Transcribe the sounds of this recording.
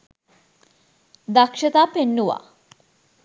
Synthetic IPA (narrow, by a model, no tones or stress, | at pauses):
d̪akʂət̪aːpenːuʋa̰